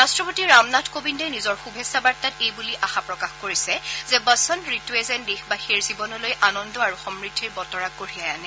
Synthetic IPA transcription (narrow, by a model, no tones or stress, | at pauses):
ɹastɹɔpotiɹamnatʰkobindejnizɔɹxubʱesːabaɹtatejbuliʔaxapɹɔkaxkoɹisɛzɛbəsɔntɹituezɛndexbaxeɹzibɔnɔlojʔanɔndɔaɹuxɔmɹitʰːiɹbɔtɔɹak̚ɡoɹijajanɛ